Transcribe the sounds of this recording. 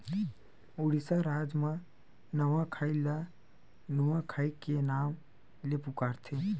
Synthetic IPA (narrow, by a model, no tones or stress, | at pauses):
ʊɽisaɾaːd͡ʒmã | nəʋãkʰaːɪla | nuwãkʰaːikenaːm | lepʊkaːɾt̪ʰe